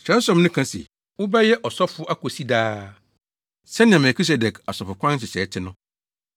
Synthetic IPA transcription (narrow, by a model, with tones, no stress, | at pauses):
ɕɛ̃˨˦n˦sɔ̃˨mnʊ̃˦kʰã˦sḭ˨ | wʊ˦ba˦jɛ˦ʔɔ˨sɔ˦fʊ˦ʔa˦ko˨si˦daː˦ | sɛ˦nɪ̃˨ã˨mɛ˨kʰi˦s̬ɛ˨dɛ˨kʰa˨sɔ˨fʊ˨kʰʷã˦n˦ɕɪ˨ɕɛː˨˦tʰɪ˦nʊ̃˦